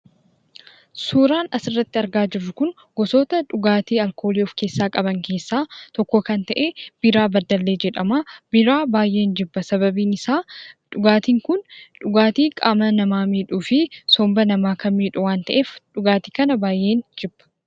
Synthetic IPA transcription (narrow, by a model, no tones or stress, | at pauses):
suːɾaːnɐsɪrːɐt̪ːɪɐɾɡaːd͡ʒɪrːʊkʊŋ | ɡ̥ɔsoːt̪ɐᶑʊɡaːt̪iːɐlkʰo̞ːliːɔfke̞ːsːaːkʼɐbɐŋke̞ːsːaːt̪ɔkːɔkɐnt̪ɐʔeːb̥ɪɾaːbɐd̪ːɐlːeːd͡ʒɛᶑɐmaːbɪɾaːbaːjʔe̞ːnd͡ʒɪbːɐsɐbɐbiːnɪsaːᶑʊɡaːt̪iːŋkʊnᶑʊɡaːt̪iːkʼaːmɐnɐmaːmiːᶑuːfɪsɔmbɐnɐmaːkɐnmiːᶑʊwaːnt̪ɐʔe̞ːfᶑʊɡaːt̪iːkɐnɐbaːjʔe̞ːnd͡ʒɪbːɐ̥